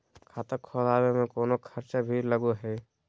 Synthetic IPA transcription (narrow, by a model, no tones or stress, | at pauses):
kʰaːt̪əkʰolaːɾemẽkoːnokʰəɾt͡ʃabʱiːɾləɡoɦɛː